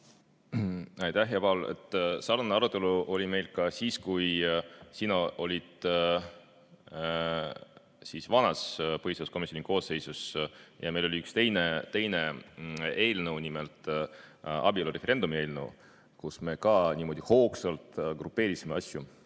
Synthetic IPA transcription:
ɑjt̪æhɦjɑpɑwlḛt̪ːˑsɑrnɑneɑɾut̪ːˑeluʔo̞lʲime̞jlkɑsiːskujsiːnɑʔo̞lʲid̪̥ | siːsvɑnɑspɤhist̪esko̞misʲjoniko̞ːsːe̞jsusjʔɑ̰me̞jlo̞lʲiykst̪e̞jnet̪e̞jne̞ | e̞ːlnəwnimelt̪ | ɑ̰b̥iɑluɾe̞fe̞ɾend̪̥umie̞ːlnə̰w | kusme̞kɑniːmo̞d̪̥ʲiho̞ːksɑlt̪ɡ̥rupːe̞ːɾisimeɑsju

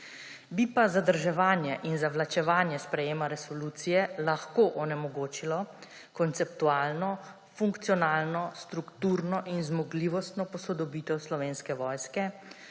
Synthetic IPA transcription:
bipazad̪əɾʒɛʋaːnjɛʔinzaʋlat͡ʃɛʋaːnjɛspɾɛjeːmaɾɛsɔluːt̪sijɛlaxkoːʔɔnɛmɔɡoːt͡ʃilɔ | kɔnt̪sɛp̚t̪uaːlnɔ | fuŋkt̪sijɔnaːlnɔst̪ɾukt̪uːɾnɔʔinzmɔɡliːʋɔst̪nɔpɔsɔd̪ɔbiːt̪ɛwslɔʋeːnskɛʋɔjskɛ

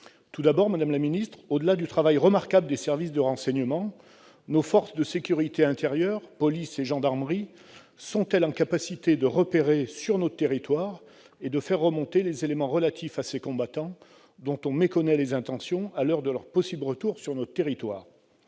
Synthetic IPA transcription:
t̪ud̪abɔʁmad̪amlaminist̪χod̪əlad̪yt̪χavajʁəmaʁkabləd̪esɛʁvisd̪əʁɑ̃sɛɲəmɑ̃ | nofɔʁsd̪əsekʲyʁit̪eɛ̃t̪eʁjœʁpɔliseʒɑ̃d̪aʁmʁi | sɔ̃t̪ɛlɑ̃kapasit̪ed̪əʁəpeʁesyʁnɔt̪t̪eʁit̪waʁ | ed̪əfɛʁːəmɔ̃t̪elezelemɑ̃ʁəlat̪ʰifasekɔ̃bat̪ɑ̃ | d̪ɔ̃t̪ɔ̃mekɔnɛlezɛ̃t̪ɑ̃sjɔ̃alœʁd̪əlœʁpɔsibləʁət̪uʁsyʁnɔt̪χt̪eʁit̪wa̰ːʁ

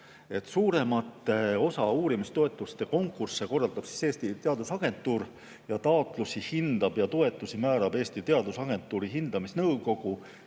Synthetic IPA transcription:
e̞t̪ːsuːɾe̞mɑt̪ːˑeo̞sɑuːɾimist̪o̞e̞t̪ːˑust̪e̞ko̞ŋkːˑursːeko̞rːɑld̪ɑb̥si̥seːst̪it̪e̞ɑd̪usɑɡ̥e̞nt̪ːˑuːɾ | jɑt̪ɑot̪ˑlusihind̪̥ɑb̥jɑt̪o̞e̞t̪ˑːusimæːɾɑbe̞ːst̪it̪e̞ɑd̪usɑɡ̥e̞nt̪ːˑuːɾiɦind̪̥ɑmisnɤwko̞ɡ̥u

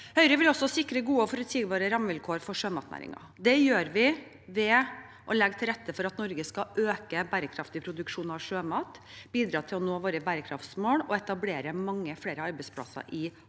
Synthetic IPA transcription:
hœʏɾəʋɪlɔsɔsɪkːɾəɡuːəɔfɔɾʉt̪sʰiːɡəbɑːɾəɾɑmʋɪlkʰoːɾfɔʂøːmɑːt̪næ̰ːɾɪ̰ŋɑ̰ | d̪ɛjøːɾʋɪ | ʋɛ | ʔɔlɛɡt̪ʰɪlɾɛt̪ːəfɔɾɑt̪nɔɾɡəskɑʔøːkəbæːɾəkʰɾɑft̪ɪpʰɾʊd̪ʉkʂuːnɑʋʂøːmɑːt̪b̥iːd̪ɾɑːt̪ʰɪlɔnoːʋoːɾəbæːɾəkʰɾɑft̪smoːɽɔɛt̪ɑbleːɾəmɑŋːəfleːɾəɑɾbɛɪspʰɽɑ̰sɑ̰ʔɪ

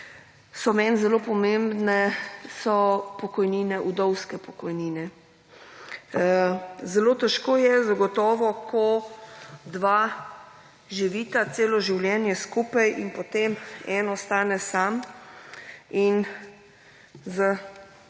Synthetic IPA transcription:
sɔmɛnzɛloːpɔmẽmbnɛsɔpɔkɔjniːnɛʔud̪ɔwskɛpɔkɔjniːnɛ | zɛloːt̪ɛʃkoːjɛzaɡɔt̪ɔːʋɔkɔ | d̪ʋa | ʒiʋiːt̪at̪seːlɔʒiwljɛːnjɛskuːpajʔinpɔt̪emɛːnɔst̪aːnɛsam | in | zə

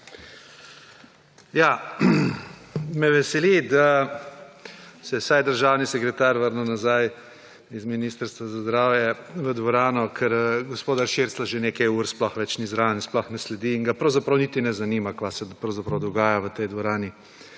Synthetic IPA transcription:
jaː | mɛʋɛsɛlid̪a | sɛsajd̪əɾʒaːwnisɛkɾɛt̪aːɾʋəɾnunazaj | izminist̪əɾst̪ʋazazd̪ɾaːwjɛʋəd̪ʋɔɾaːnɔkʰɛɾɡospoːd̪aʃeɾslaʒeneːkajuɾsplɔxʋɛt͡ʃnizd̪ɾaːnisplɔxnɛslɛd̪iːŋɡapɾɐwzapɾɐwnit̪inɛzanimakʋasɛpɾɐwzapɾɐwd̪ɔɡaːjaʋət̪ɛjd̪ʋɔɾaːni

